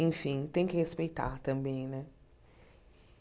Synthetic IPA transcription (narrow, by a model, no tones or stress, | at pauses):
ĩnfĩŋt̪ẽŋkɪhespejtʰa̰t̪ãmbẽj̃nɛ̃